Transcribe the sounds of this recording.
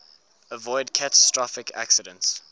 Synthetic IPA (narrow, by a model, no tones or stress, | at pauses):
əvɔɪdkʰatə̥stɹ̥ɔfɪkʰa̰ksɪdə̃nts